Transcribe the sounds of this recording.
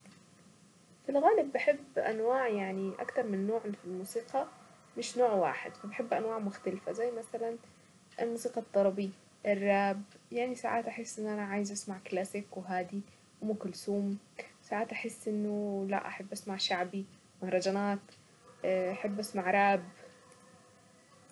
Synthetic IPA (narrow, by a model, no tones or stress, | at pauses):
filɣaːlɪbːɪħɪbːʔa̰nwaːʕjaʕniʔa̰kt̪ɑɾˤmɪnːoːʕfilmuːsiːqɑ | mɪʃnoːʕwa̰ːħɪ̰d̪fabħɪbːʔanwaːʕmʊxt̪alfazajːmaθalan | ʔɪlmuːsiːqɑt̪ˤːɑɾˤɑbi | ʔɪrˤːaːbjaʕnisaʕaːt̪ʔaħɪsːʔɪnːʔanaʕaːjɪzʔasmaʕklaːsɪkwɦaːd̪i | wmuːkʊlsuːm | wsaːʕaːt̪ʔaħɪsːʔɪnːʊla̰ʔaħɪbːʔasmaʕʃaʕbi | mahɾˤɑd͡ʒaːnaːt̪ː | ʔaħɪbːʔasmaʕɾˤaːb